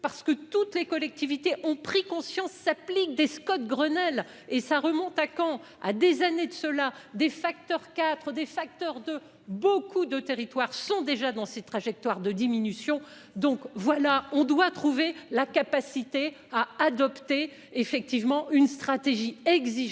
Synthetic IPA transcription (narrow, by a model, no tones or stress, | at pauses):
paʁsə̥kət̪ut̪lekɔlɛk̚t̪ivit̪eʔɔ̃pχikɔ̃sjɑ̃sːaplik̚d̪eskɔt̪̚ɡʁənɛl | esaʁəmɔ̃t̪akɑ̃ | a̰d̪ezaned̪əsəlad̪efak̚t̪œʁkat̪χəd̪efak̚t̪œʁd̪ə | bokud̪ət̪eʁit̪waʁsɔ̃d̪eʒad̪ɑ̃set̪χaʒɛk̚t̪waʁd̪əd̪iminysjɔ̃ | d̪ɔ̃kvwalaɔ̃d̪wat̪χuvelakapasit̪e | aːd̪ɔpt̪e | efɛk̚t̪ivmɑ̃ʔynst̪χat̪eʒiɛɡziʒ